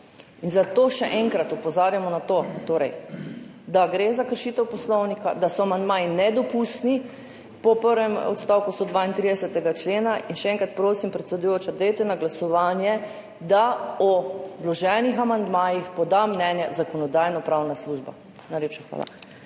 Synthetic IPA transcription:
inzat̪oːʃɛʔɛŋkɾat̪ɔpɔzaːɾjamɔnat̪ot̪oːɾɛj | d̪aɡɾezakəɾʃiːt̪ɛwpɔslɔwnika̰d̪asɔamand̪maːjinɛd̪ɔpust̪ni | pɔpəɾʋɛmɔ̰t̪st̪awkust̪od̪ʋaːint̪ɾid̪ɛsɛt̪ɛɡat͡ʃleːnaʔinʃɛɛ̃ŋkɾat̪̚pɾoːsimpɾɛt̪sɛd̪ʊjoːt͡ʃad̪ɛet̪ɛnaɡlasɔʋaːnjɛ | d̪aɔdlɔʒɛnixamand̪maːjixpɔd̪amnɛnjazakɔnɔd̪aːjnɔpɾaːwnasluʒba̰ | najleːpʃaxʋa̰ːla̰

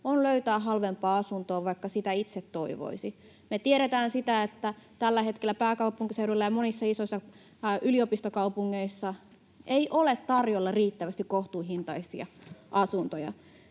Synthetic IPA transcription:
onløyt̪æːɦɑlʋempɑːɑsunt̪oːʋɑikːɑsit̪æit̪set̪to̞iʋo̰isi | met̪ieɾet̪æːnsit̪æet̪ːæt̪ælːæhe̞t̪kelːæpæːkɑupuŋkisewdoilːɑjɑmonisːɑisoisːɑ | ʔyliopist̪okɑupuŋːeisːɑ | eiʔolet̪tɑrjolːɑriːt̪ːæʋæst̪ikkoht̪uːɦint̪ɑijsiɑ̰ʔɑsunt̪ojɑ̰

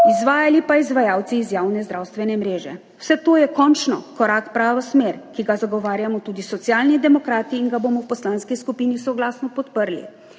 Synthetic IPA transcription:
izʋaːjalipaizʋajaːwt̪siːzjaːwnɛzd̪ɾaːwst̪ʋɛnɛmɾeːʒɛ̰ | w̥sɛt̪oːjɛkɔnt͡ʃnɔkɔɾaːkpɾaːʋɔsmeːɾkiɡazaɡɔʋaːɾjamɔt̪uːd̪isɔt̪sjaːlnid̪ɛmɔkɾaːt̪iːnɡabomɔwpɔslanskiskupiːnisɔɡlaːsnɔpɔt̪pəɾlḭ

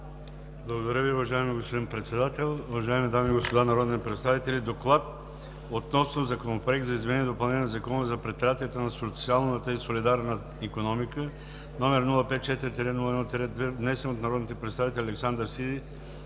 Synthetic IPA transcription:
blˠɐɡod̪ɐɾʲəviʊvɐʒaɛmiɡospod̪inpɾɛt̪sɛd̪at̪ɛlˠʊvɐʒaɛmid̪amiːɡospod̪anɐɾɔd̪it̪ɛpɾɛt̪st̪avit̪ɛlid̪oklˠat̪̚ | ot̪nɔsnozɐkonɐpɾoɛk̚t̪zɐizmɛnɛnʲiɛd̪opɐlˠnɛɲʲɛnɛzɐkɔnəzɐpɾɛt̪̚pɾʲijat̪iɛt̪onɐsot̪sialˠnət̪əisolid̪aɾnə | ikonɔmikə | nɔmɛɾnulˠəpɛt̪̚t͡ʃɛt̪iɾit̪iɾinulˠəɛnɔt̪ɛɾɛd̪ɛvnɛsɛnot̪nɐɾɔd̪nit̪ɛpɾɛt̪st̪avit̪ɛlʲɐlɛksand̪əɾsid̪i

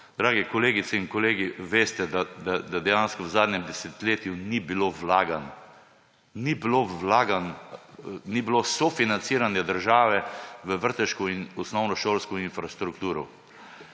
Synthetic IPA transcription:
d̪ɾaːɡɛkɔleːɡit̪sɛiŋkɔleːɡiʋeːst̪ɛd̪ad̪ad̪ad̪ɛjanskɔzaːd̪nʲɛmd̪ɛset̪leːt̪junibiloʋlaːɡan | nibiloʋlaːɡan | nibilosɔfinant̪siːɾanjɛd̪əɾʒaːʋɛʋəʋəɾt̪əʃkɔinɔsnɔwnɔʃoːlskɔinfɾast̪ɾukt̪uːɾɔ̰

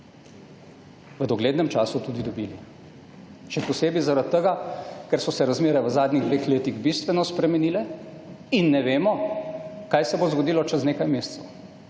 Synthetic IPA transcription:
ʋəd̪ɔɡleːd̪nɛmt͡ʃaːsut̪uːd̪id̪ɔbiːli | ʃɛpɔseːbizaɾat̪ːəɡakɛɾsɔsɛɾazmeːɾɛʋəzaːd̪niɣd̪ʋeːxleːt̪iɣbist̪ʋɛnɔspɾɛmɛniːlɛ | inːɛʋeːmɔ | kaːjsɛbozɡod̪iːlɔt͡ʃɛzneːkajmeːst̪sɛw

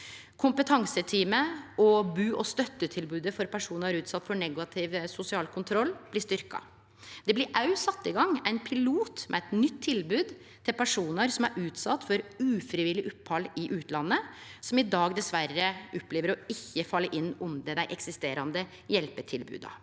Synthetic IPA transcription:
kʰʊmpət̪ʰɑŋsət̪ʰiːməɔbʉːʔɔst̪œt̪ːət̪ʰɪlbʉːd̪əfɔɾpʰæʂuːnɑɾʉːt̪sɑt̪ːfɔɳɛɡɑt̪ʰɪʋsʊsɪɑːlkʰʊnt̪ʰɾɔlːb̥lɪʂt̪ʏɾkɑ̰ | d̪ɛblɪɾʔɑʉsɑt̪ːɪɡɑŋːæɪnpʰɪluːt̪mʔɛ̰ɛt̪nʏt̪ʰːɪlbʉːd̪ | t̪ʰɪlpʰæʂuːnəɾsɔmæɾʔʉːt̪sɑt̪ːfɔɾʉːfɾɪʋɪlɪʔʊpːhɑlɪʔʉːt̪lɑnːəsɔmɪd̪ɑːɡd̪ɛsʋærːəʔɔpːleːʋəɾɔɪçːəfɑlːəɾʔɪnːɔmd̪ɛd̪æɪʔɛksɪst̪eːɾɑnd̪ə | jɛlpəʈʰɪlbʉ̰ːd̪ɑ̰

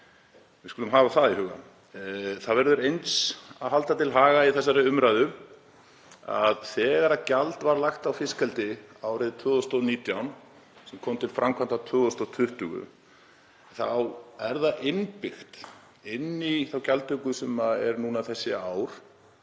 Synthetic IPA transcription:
vɪðskʏlʏmɦaːvaθaðiɦʏɣa̰ | θaðvɛɾðʏɾejnt̪saðɦalt̪at̪ʰɪlɦaːɣaiθɛsːaɾɪʏmɾajðʏ | a̰ðθɛːɣaɾacalt̪vaɾlaxt̪awfɪskʰɛlt̪ɪawɾɪðt̪ʰœːðɔst̪ɔniːt̪jawn | sɛmkʰɔːmt̪ʰɪlfɾʔamkʰant̪at̪ʰœːðɔst̪ɔt̪ʰʏht̪ʏɣʏ̰ | θawɛɾðaʔɪnpɪxt̪ | ɪnːiθawcalt̪ʏkʏsɛmaɛ̰ɾnunaθɛsːɪaːwɾ̥

